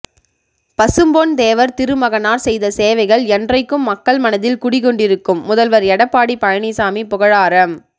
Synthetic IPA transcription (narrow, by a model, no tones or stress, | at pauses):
pɐsɯmboːnd̪eːʋɐɾt̪ɪɾɯmɐɣɐnaːɾsɛjðɐseːʋɐɪɣɐɭɛndrɐɪkːɯmːɐkːɐɭmɐnɐðɪlkʊɽɪkɔɳɖɪɾɯkːɯmːʊðɐlʋɐɾɛɽɐpːaːɽipɐɻɐɳisaːmipʊɣɐɻaːɾɐm